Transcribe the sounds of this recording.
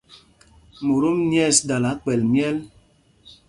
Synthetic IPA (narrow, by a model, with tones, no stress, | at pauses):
mo˨ɾo˦m˦njɛ˦˨sda˨la˨˦k͡pɛ˨lmjɛ˦l